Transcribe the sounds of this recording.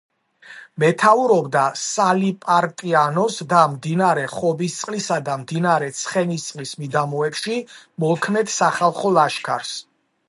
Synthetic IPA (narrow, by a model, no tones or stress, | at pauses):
mɛt̪ʰauɾɔbd̪asalipʼaɾt̪ʼianɔsd̪amd̪inaaɾɛχɔbist̪sʼqʼlisad̪amd̪inaɾɛt̪sʰχɛnist̪sʼqʼlismid̪amɔɛkʃimɔlˠkʰnɛt̪ʰsaχalˠχɔlaʃkʰaɾs